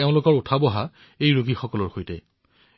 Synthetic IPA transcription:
eʊ̃lʊkɔɹutʰabɔɦa | ejɹuɡixɔkɔlɔɹxojtɛ̰

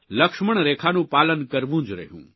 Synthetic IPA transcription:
ləkʃməɳ̃ɾeːkʰanũːpaːlənkəɾʋũːd͡ʒɾə̰ɦjṵ̃ː

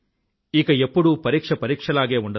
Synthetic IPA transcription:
iːɡɐepːuɽupɐɾiːkʂɐpɐɾiːkʂɐlaːɡeːɔɳɖɐ

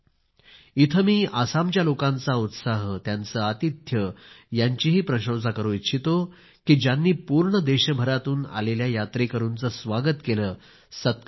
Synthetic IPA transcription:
it̪ʰəmiːʔasamt͡ɕjalokãnt͡saut̪saɦt̪jant͡səːət̪it̪jəjaɲt͡ɕiɦiːpɾəɕəwd͡zakəɾũit̪ːɕʰit̪o | kiːd͡ʑjanːiːpuɾɳəd̪eɕəbʱəɾat̪uːna̰leljajat̪ɾekəɾuːnt͡səːsʋaɡət̪keləː | sət̪̚k

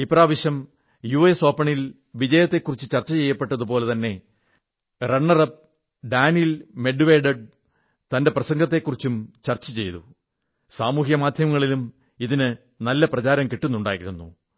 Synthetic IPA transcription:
ipraːʋɐɕjɐm | juːeːso̞ːpːɐɳil | ʋid͡ʑɐjɐt̪ːe̞kːurit͡ɕːɨt͡ɕɐrt͡ɕːɐt͡ɕe̞jːɐpːe̞ʈːɐðupo̞ːle̞t̪ɐnːe̞ | reɳːɐrɐp̚ | ɖaːnjilme̞ɖuʋeːɖɐɖ̚ | t̪ɐnde̞prɐsɐŋɡɐt̪̬ːe̞kːurit͡ɕːumt͡ɕɐrt͡ɕːɐt͡ɕe̞jt̪u | saːmuːɦjɐmaːd̪ʱjɐmɐŋːɐɭilum | iðinɨ | nɐlːɐprɐt͡ɕaːɾɐmkiʈːunːuɳɖa̰ːjḭɾunːṵ

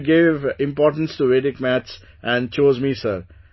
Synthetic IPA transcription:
ɡɪʋɪ̃mpɔːɾʈə̃n̩sʈuʋeːɾɪkmæt͡ʃs | ʔæ̃ɳɖ̚t͡ʃoːzmiːsəɾ

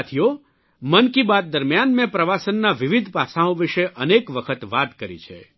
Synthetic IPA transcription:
t̪ʰijo | mənkibat̪̚d̪əɾmjanmɛ̃pɾəʋasənːaʋɪʋid̪ʱpasaõʋiʃeʔənekʋəkʰət̪ʋat̪kəɾḭt͡ʃʰḛ

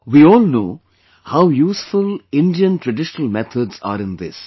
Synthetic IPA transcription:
ʋiːɔːlnoː | haʊjuːsfʊlɪ̃ɳɖiə̃nʈɾəɖɪʃənəlmɛt̪ʰəɖza̰ːɾɪ̃nd̪ɪ̰s

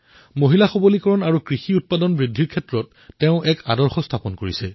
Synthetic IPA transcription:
moɦilaxobolikɔɹɔnaɹukɹixiut̚padɔnbɹidʱːiɹkʰɛtɹɔtː | ɛʊ̃ʔɛka̰dɔɹxɔstʰapɔnkoɹisɛ

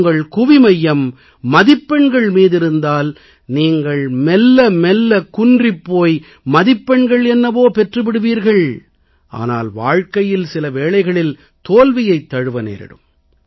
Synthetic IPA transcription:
ŋɡɐɭkʊʋɪmɐjːɐmː | ɐðɪpːɛɳɡɐɭmiːðɪɾɯnd̪aːl | niːŋɡɐɭmɛlːɐmɛlːɐkʊndrɪpːoːj | mɐðɪpːɛɳɡɐɭɛnːɐʋoːpɛʈrɯʋɪɽɯʋiːɾɣɐɭ | ʔa̰ːna̰ːlʋa̰ːɻkɐjɪlsɪlɐʋeːɭɐɪɣɐɭɪl | t̪oːlʋɪjɐɪt̪ːɐɻɯʋɐnḛːɾɪ̰ɽɯ̰m

